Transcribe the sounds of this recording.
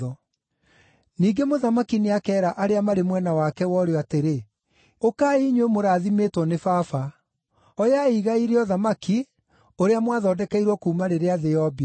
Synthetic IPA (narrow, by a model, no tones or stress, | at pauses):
ɔ | niːɡemoðamakineakɛːɾaʔaɾeamaɾemwɛnawakɛwɔɾeateɾe | okaiɲwemoɾaːðimeːtwɔnefafa | ɔjaiɣaiɾeɔðamaki | oɾeamwaðaːdɛkaiɾwɔkuːmaɾeɾeaðeɔbi